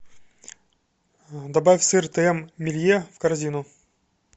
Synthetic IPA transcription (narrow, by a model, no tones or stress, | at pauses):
d̪ɐbafʲsɨrt̪ɨɛmːʲɪlʲjefkɐɾzʲinʊ